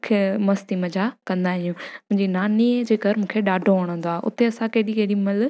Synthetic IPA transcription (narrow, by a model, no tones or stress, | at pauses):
kʰemɐst̪imɐd͡ʑakɐ̃nd̪aːɦɪ̃jũmʊ̃ɦɪ̃ɲd͡ʑinaːnid͡ʑeːɡʱɐɾmũːkʰeɗaːɖʱoʋɐɽ̃ə̃nd̪oaɦeʔʊ̰t̪eɐsãkeːɗikeɗimɐl